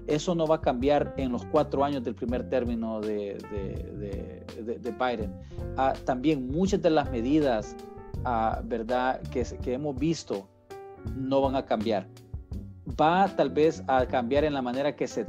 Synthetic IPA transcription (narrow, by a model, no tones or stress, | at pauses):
e̞so̞no̞βakambjaɾe̞nlo̞skwat̪ɾoaɲo̞zd̪e̞lpɾime̞ɾt̪e̞ɾmino̞ðeðḛðḛ | ðed̪ebajd̪en | at̪ambje̞ŋmut͡ʃazd̪e̞lazme̞ðiðasabe̞ɾd̪akeskee̞mo̞zbist̪o̞ | no̞βaŋakambjaɾ | bat̪albe̞sakambjaɾe̞nlamãne̞ɾake̞se